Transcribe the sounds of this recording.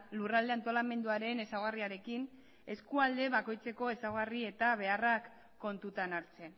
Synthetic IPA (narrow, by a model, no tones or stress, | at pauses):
lurald̪e̞ant̪o̞lame̞nd̪uaɾe̞ne̞sawɣariaɾe̞kin | e̞skuald̪e̞βako̞jt͡se̞ko̞e̞sawɣ̞arie̞t̪aβe̞arakː | o̞nt̪ut̪anaɾt͡se̞n